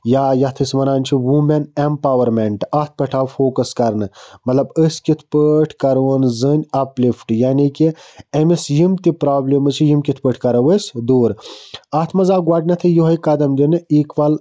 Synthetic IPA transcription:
jaːjɐt̪ʰɨsʲmɐnaːnʲt͡ʃʰiʋumenempaːʋɐɾmeɳʈɐt̪̚ʰpɐʈʰaːwfoːkɐskɐɾnɨmɐt̪lɐbəsʲkit̪ʰpəʈʰkɐɾʋənzɨnʲɐplifʈjaːnikiɐmisjimt̪ipɾaːblʲimɨt͡ʃʰijimkʲit̪ʰpəʈʰkɐɾɐʋəsʲd̪uːɾɐt̪ʰmɐzaːɡwaːʈʲnɐt̪ʰɨjuɦɐjkɐd̪ɐmd̪inɨiːkʋɐl

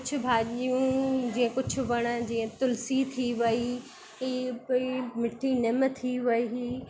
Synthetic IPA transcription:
kʊd͡ʑʰʊ̆bʱaːʄijũd͡ʑiːə̃kʊd͡ʑʱʰʊ̆ʋɐɽ̃ə̆d͡ʑiːə̃t̪ʊlsit̪ʰiʋɐi | iːimɪʈʰinɪm̆t̪ʰiʋɐi

